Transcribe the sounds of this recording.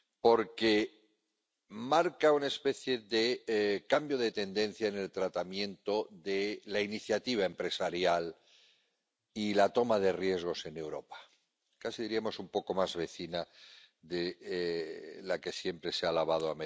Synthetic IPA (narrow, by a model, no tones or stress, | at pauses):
po̞ɾke | maɾkaunae̞spe̞θje̞ðekambjo̞ðe̞t̪e̞nd̪ẽ̞n̟θjaene̞lt̪ɾat̪amjẽ̞nt̪o̞ðelainiθjat̪iβ̞ae̞mpɾe̞saɾjal | ilat̪o̞maðe̞rje̞zɣ̞o̞se̞ne̞wɾo̞pḁ | kasiðiɾiamo̞sumpo̞ko̞mazβe̞θina | ðe | lake̞sje̞mpɾe̞sealaβ̞að̞oame